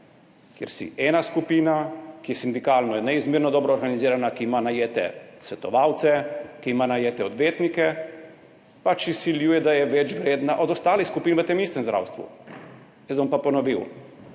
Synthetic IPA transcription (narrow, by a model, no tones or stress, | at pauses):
kjɛ̰ɾsḭɛːnaskupiːnakijɛsind̪ikaːlnɔjɛnɛizmiːɾnɔd̪ɔːbɾɔːɾɡaniziːɾanakiːmanajeːt̪ɛ̰sʋɛt̪ɔʋaːwt̪sɛkiimanajeːt̪ɛɔd̪ʋeːt̪nikɛ | pat͡ʃisiljuːjɛd̪ajɛʋɛt͡ʃʋɾeːd̪naʔɔd̪ɔst̪aːlixskupiːnʋət̪emist̪ɛmzd̪ɾʔa̰wst̪ʋṵ | jɛzbɔmpapɔnɔʋiw